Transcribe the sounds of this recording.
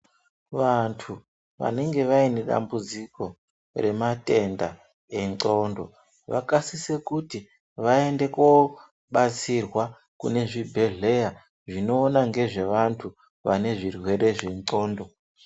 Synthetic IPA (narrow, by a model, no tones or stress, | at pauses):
ʋantʰu | ʋa̰ne̞ŋɡe̞ʋaine̞ɗa̰mbud͡ziko̞ | re̞mate̞nda̰ | e̞ŋǀo̞ndo̞̰ | ʋa̰kasise̞kuti | ʋae̞nde̞ko | ɓat͡sirwa | kṵne̞ʐibʱe̞ɮe̞ja | ʐino̞ːnaŋɡe̞ʐe̞ʋantʰu | ʋa̰ne̞ʐirwe̞ɾe̞ʐe̞nǀo̞ːndo̞